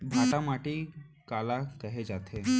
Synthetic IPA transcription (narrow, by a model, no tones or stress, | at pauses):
bʱat̪amaʈikalakəɦed͡ʒat̪ʰe